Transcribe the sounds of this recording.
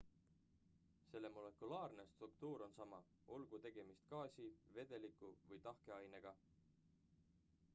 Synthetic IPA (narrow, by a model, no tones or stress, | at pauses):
se̞lːe̞mole̞kulɑːrne̞st̪rukt̪uːɾo̞nsɑmɑ | o̞lɡ̥ut̪e̞ɡ̥e̞mist̪kɑːsʲive̞d̪̥e̞likːˑuvɤjt̪ɑhke̞ɑjne̞ɡ̥ɑ